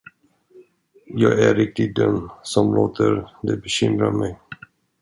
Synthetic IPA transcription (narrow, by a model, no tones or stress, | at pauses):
jɑːɡæɾɪk̚t̪ɪd̪œmsɔmloːt̪ʰəɾd̪ɛbɛɕʏmɾamɛj